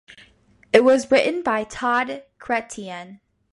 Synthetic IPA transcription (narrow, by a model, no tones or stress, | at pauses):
ɪt̚wʌzɹɪʔn̩baɪtʰɑdkʰɹ̥ɛtʰiə̃n